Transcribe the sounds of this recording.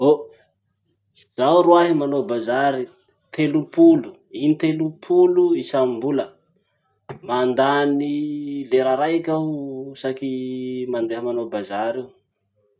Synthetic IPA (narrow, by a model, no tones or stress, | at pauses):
o | z̥awɾuaɦimanobazaɾi | t̪ʰelupulu | init̪elupʰuluisammbulə | mand̪anileɾaɾajkʲaɦusakimand̪eɦəmanobazaɾew